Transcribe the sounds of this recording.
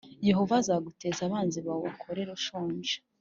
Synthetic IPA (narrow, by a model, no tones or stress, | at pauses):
je̞ho̞vazaɡutezaβaːnziβawokʰoɾe̞ɾoʃoːɲʒe̥